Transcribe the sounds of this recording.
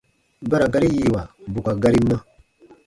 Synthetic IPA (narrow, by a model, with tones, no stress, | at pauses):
ba˦ɾa˨ɡa˦ɾi˦ji˨wa˨bu˨ka˨ɡa˦ɾi˦mːã˦